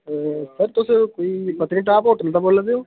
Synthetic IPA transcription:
səɾt̪ʊskoːipət̪ːɾĩːʈaːpoːʈənət̪aːboːlad̪eoː

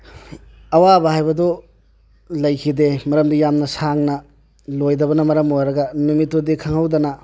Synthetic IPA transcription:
ɐwabɐɦajbɐdɔ | lɐjkʰidemɐɾɐmdijamnɐsaŋnɐ | lojdɐbɐnɐmɐɾɐmojɾɐɡɐnumitːodikʰaŋɦawdɐnɐ

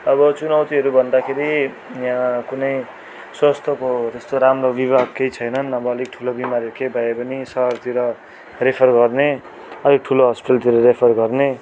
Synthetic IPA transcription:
ʌbʌt͡sunawt̪iɦʌɾubʱʌnd̪akʰeɾi | jãkunʌj | swʌst̪ʰʌkot̪est̪oɾamrobibʱaɡ̚kejt͡sʰʌjnʌnʌbʌːlik̚ʈʰulobimaɾekebʱʌepʌnisʌɦʌrt̪iɾʌ | repʰʌrɡʌrne | ʌlik̚ʈʰuloɦʌspiʈʌlt̪iɾʌrepʰʌrɡʌrne

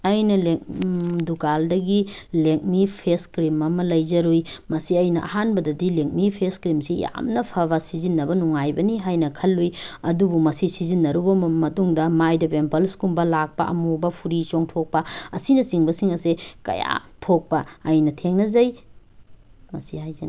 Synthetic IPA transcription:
ɐjnɐleŋdukaldɐɡileŋ̚mipʰeskɾimɐmɐlɐjzɐɾujmɐsiɐjnɐʔɐ̰ɦanbɐdɐdileŋk̚mipʰeskɾimsija̰mnɐpʰɐβɐsizinːɐbɐnuŋajbɐniɦajnɐkʰɐlːujɐdubumɐsisizinːɐɾubɐmɐtuŋdɐmajdɐpempɐlskumbɐlak̚pɐʔɐ̰mubɐpʰuɾit͡ʃoŋtʰok̚pɐɐsinɐsiŋbɐsiŋɐsekɐ̰ja̰tʰok̚pɐːjnɐtʰeŋnɐzɐj | mɐsihajzɐn

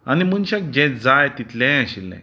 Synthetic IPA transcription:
animunɕak̚d͡ʑɛ̃d͡zajt̪it̪lɛ̃əɕilːɛ̰̃

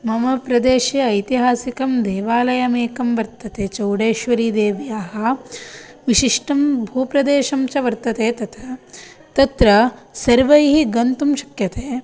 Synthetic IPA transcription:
mɐmɐpɾɐd̪eːʃjɐːjt̪iɦaːsikɐmd̪eːʋaːlɐjɐmeːkɐmʋɐɾt̪ɐt̪eːt͡ʃɐwɽeːʃʋɐɾiːd̪eːʋjaːɦɐ̆ | ʋiʃiʂʈɐmbʱuːpɾɐd̪eːʃɐmt͡ʃɐʋɐɾt̪ɐt̪eːt̪ɐt̪ʰɐ | t̪ɐt̪ɾɐsɐɾʋɐjɦiɡɐnt̪umʃɐ̥kjɐt̪eː

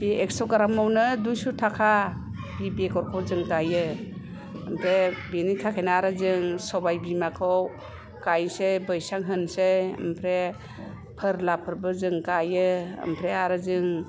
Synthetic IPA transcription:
biek̚sɔwkaɾamɔwnɯdujsutʰakʰa | bibekɔɾkʰɔwzɯŋkajɯː | mpʰɾebinikʰakʰenaaɾɯzɯŋsɔbajbimakʰɔw | kajsebɯjsaŋɦɯnseɯ̰mpʰɾe | pʰɯɾlapʰɯɾbɯzɯŋkajɯə̰mpʰɾeaɾɯzɯŋ

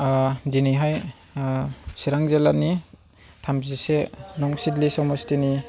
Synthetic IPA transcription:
diniɦaj | siɾaŋzelani | tʰamzisenɔŋsidlisɔmɔstini

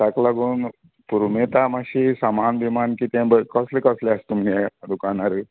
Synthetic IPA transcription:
saklaɡuːn | puɾmet̪amaɕisamanbimankit̪ẽbəkɔslekɔsleast̪umiɛd̪ukanaɾə

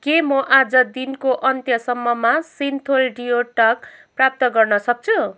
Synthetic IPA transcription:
kemʌʔad͡zʌd̪inkoʔʌnt̪jʌsʌmːʌmasint̪ʰolɖijoʈʌk̚prap̚t̪ʌɡʌrnʌsʌk̚t͡sʰu

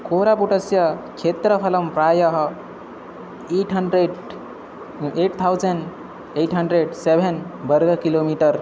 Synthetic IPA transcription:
koɾapuʈəsjəkʰet̪ɾəpʰɐləmpɾaːjəɦɐ | eʈɦəɳɖɾeɖ | eʈt̪ʰawd͡zənɖ | eʈɦəɳɖɾeɖsebʱenbəɾɡʱəkilomiʈəɾ

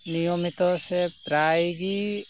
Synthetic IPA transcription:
nijɔmit̪ɔsɛpɾajɡi

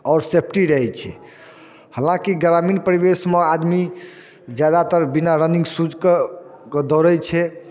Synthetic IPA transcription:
ɔʊɾsepʰʈiɾəɦɛt͡ʃʰɛ̰ | həlãkiɡɾaminpəɾibesmead̪mi | d͡ʒjad̪at̪əɾbinaɾənĩŋɡsud͡ʒʱkkd̪ɔɾət͡ʃʰɛ

